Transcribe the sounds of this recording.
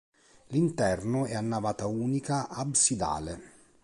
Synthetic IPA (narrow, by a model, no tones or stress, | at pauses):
lint̪ɛrnʊɛanːavaːt̪auːnikaʔabsid̪a̰ːle